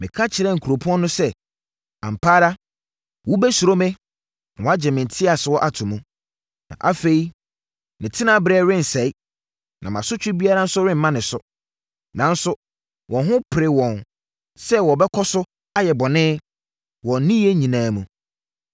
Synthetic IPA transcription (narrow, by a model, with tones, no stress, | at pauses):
mɪ̃˨kʰa˦t͡ɕʰɪ˨ɾɛ˦˨ŋ̩˨kʰu˨ɾo˨pʰu˦ɔ̃˦nʊ̃˦sɛ˦ | ã̰˨m˨pʰaː˦ɾa˦ | wɔ˦bɛ˦su˨ɾo˦mɪ̃˦ | ã˨wɔ˨˦a˦d͡ʑɛ˨mɪ̃˨n˨tʰɪ˦a˨sʊ˨wɔ˦ʔa˨tʰʊ̃˨mũ˦ | nã̰˨ʔa˦fe˨i˦ | nɪ̃˨tʰɪ˦nã˦bɾɛː˦ɾɪ̃˦n˨sɛ˨i˦ | nʔã̰˨mã̰˨sʊ˦t͡ɕᶣɪ˦bi˦a˦ɾa˦n̩˦sʊ˦ɾɪ̃˦m̩˨mã˦nɪ̃˨sʊ˦ | nã˨n̩˦sʊ˦ | wʔɔ̃˨nɦʊ̃˦pʰɪ˨ɾɪ˨wɔ̃˨n | sɛ˦wɔ˨bɛ˦kʰɔ˦sʊ˦ | a˦jɛ˨bɔ˨nɪ̃˦ | wɔ̃˨n˦nĩ˦je˦ɲĩ˨nãː˦mũ˨